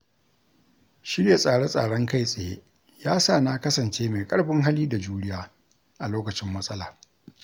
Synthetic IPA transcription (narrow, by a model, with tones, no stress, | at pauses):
ʃɪ˦ɽja˨sʼaː˨ɽo˦sʼa̰ː˨ɽɔ˦ŋka˦jsʼa˨jḛ˦ | jaː˦saː˦˨na˦kɐ˦sɐ˨nt͡ʃeː˦me˨kʼɐ˦ɽbɪ˦ŋɦa˦liː˦da˨d͡ʒuː˦ɽɪ˦jaː˨ | ʔa˨loː˦kɐ˨t͡ʃɪ˦mːɐ˦sʼɐ˦laː˨